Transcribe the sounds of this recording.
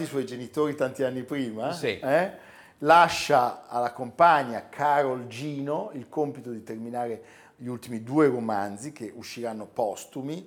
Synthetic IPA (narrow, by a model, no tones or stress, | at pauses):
iswɔjd͡ʒenit̪oːɾit̪ant̪ianːipɾiːmasiɛ | laʃːaalːakompaɲːakʰaɾold͡ʒiːnoilkompit̪od̪it̪erminaːɾe | ʎiult̪imid̪uːeɾomand̪t̪zikeʔuʃːiɾanːopɔst̪umi